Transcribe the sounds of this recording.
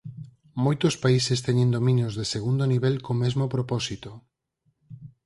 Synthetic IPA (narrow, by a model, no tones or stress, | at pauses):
mojt̪ospaisest̪ɛɲẽnd̪omĩnjozðeseɣund̪oniβɛlkomezmopɾopɔsit̪o